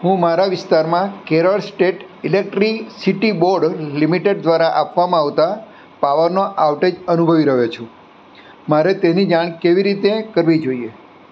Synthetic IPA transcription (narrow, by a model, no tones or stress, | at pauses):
ɦũmaɾaʋɪst̪aɾmãkeɾəɭsʈeʈ | ilek̚ʈɾisiʈiboɾɖɾlimiʈeɖ̚d̪ʋaɾaʔapʋamãːʋt̪a | paʋəɾnoʔaʋʈed͡ʒənubʱəʋiɾəɦet͡ʃʰũ | maɾet̪enid͡ʒaɽ̃keʋiɾit̪ekəɾʋid͡ʒoie